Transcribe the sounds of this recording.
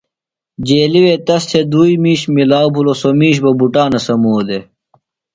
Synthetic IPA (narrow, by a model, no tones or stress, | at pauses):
d͡ʑeːliwet̪ɐst̪ʰed̪uːimiːɕmilaːwbulosomiːɕ̬bɐbuʈaːnɐsɐmoːd̪e